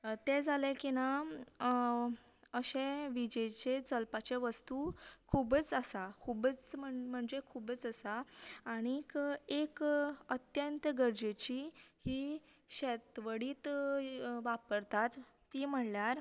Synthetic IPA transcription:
t̪ed͡zalekina | əɕeʋid͡ʑet͡ɕet͡səlpat͡ɕeʋəst̪ukʰubət͡səsakʰubət͡sm̤əɳm̤əɳd͡zekʰubət͡səsaːɽ̃ikekət̪jənt̪əɡəɾd͡ʑet͡ɕihiː | ɕet̪ʋəɽiːt̪ | ʋapəɾt̪at̪ː | iːm̤əɽljaɾ

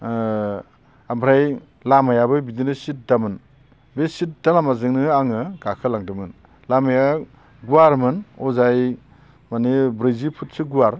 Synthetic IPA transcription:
ambɾaj | lamajabɯbidinɯsit̚damɯn | besit̚dalamazɯŋnɯaŋɯɡakʰɯlaŋdɯmɯn | lamaja | ɡuaɾmɯnɔzaj | manebɾɯzipʰut̚sɯɡuaɾ

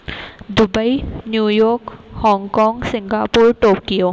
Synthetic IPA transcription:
d̪ʊbəinjuːjɔːɾkhɔ̃ːŋɡkɔːŋɡsɪ̃ŋɡaːpuɾʈoːkijoː

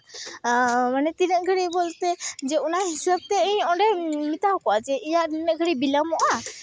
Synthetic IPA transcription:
manɛt̪inəʔɡʱəɽibolt̪ɛd͡ʒɛunaɦisab̚t̪ɛə̃ɲɔɖɛmit̪aɦkɔat͡ʃɛʔijaʔninəɡʱəɽibilamɔʔa

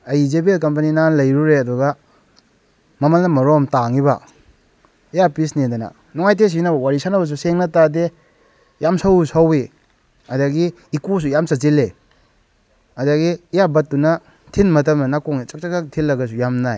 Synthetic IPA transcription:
ɐjzebielkɐmp̬ɐninanlɐjɾuɾeɐduɡɐ | mɐmɐlnɐmɐɾɔmtaŋibɐ̰ | ijapisnedɐnɐ̰ | nɔŋajtes̬inabɐwaɾisanɐbɐs̬useŋnɐtade | jamsawsawe | ɐdaɡiː | kos̬ujamsat͡ʃile | ɐdaɡiːjabɐt̚ːunɐ | tʰinmɐtɐmnɐnakoŋit͡ʃɐk̚t͡ʃakak̚tʰilːɐɡɐs̬ujamnaj

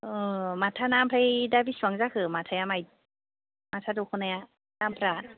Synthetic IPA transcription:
ɯmat̪ʰːanaːmpʰɾajdabisuaŋzakʰɯmatʰajamaj | mat̪ʰadukʰonaja | daːmpʰɾaːt̚

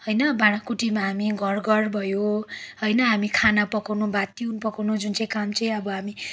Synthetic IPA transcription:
ɦʌjnʌbaɽ̃akuʈimaɦamiɡʱʌrɡʌrbʱʌjoɦʌjnʌɦamikʰanapʌkawnubat̪iunpʌkawnud͡zunt͡sʌj̃kamt͡sʌj̃ʌbʌɦami

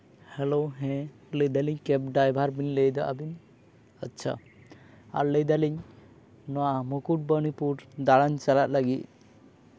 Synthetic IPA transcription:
hɛloɦɛ̃ | ləd̪aliɲkɛp̚ɖajbʱaɾbinlɛjd̪aʔa̰bin | ətːt͡ʃʰa̰ | a̰ɾləjd̪aliɲ | nɔwaamukuʈ̚bəñipuɾd̪aɽaɲt͡ʃalat̪̚laɡit̪̚

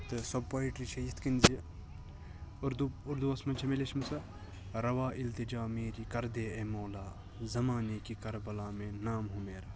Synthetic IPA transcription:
t̪ɨsɐbpɐːiʈɾit͡ʃʰɐjit̪ʰkinzɐ | ɾd̪uʊɾd̪uɐsmɐnt͡ʃʰɐmelet͡ʃʰmɐsɐ | ɾɐʋaːʔilt̪id͡ʒaːmeːɾikɐɾd̪eːemoːlaː | zɐmaːnekikɐɾbɐlaːmẽnaːmɦumeːɾ

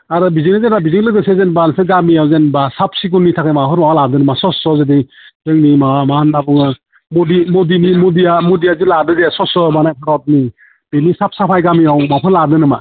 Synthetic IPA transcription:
aɾɯbizijnazenabiziŋlɯɡɯsezenbanseɡamiawzenbasap̚ʰsik̬unːitʰakʰajmaɦɔɾmawaladɯnɯmasɔsɔzedi | zɯŋnimawamahanabɯŋɯ | modimɔdinimudijamodijazɯladɯzesɔsɔmanajpʰaɾɔt̚ni | benisap̚sapʰajɡamiawmapʰɯnladɯnɯma

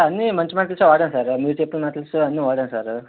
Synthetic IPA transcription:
ɐnːimɐɲt͡ʃimaːʈ̬ɐlsuʋaːɽɐnsaːɾmiːepːulmaːʈɐlsuɐnːiʋaːɽɐnsaːɾ

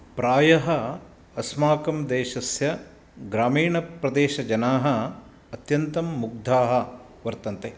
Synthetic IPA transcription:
pɾaːjɐɦɐ | ɐsmaːkɐmd̪eːʃɐsjɐ | ɡɾaːmiːɳɐpɾɐd̪eːʃɐd͡ʒɐnaːɦɐ̆ː | t̪jɐnt̪ɐmːuɡ̚d̪ʱaːɦɐ̆ | ʋɐɾt̪ɐnt̪e

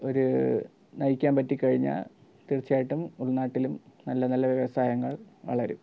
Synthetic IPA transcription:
o̞ɾu | nɐjikʲːaːnpɐtːikɐɻiɲːa̰ | t̪irt͡ɕːijaːjiʈːumuɭːnaːʈːilumnɐlːɐnɐlːɐʋjeʋɐsaːjɐŋːɐɭʋɐ̰ɭɐɾṵ

